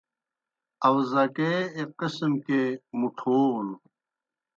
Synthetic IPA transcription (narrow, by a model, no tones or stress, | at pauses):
ɐwzɐkeːqismkemuʈʰoːl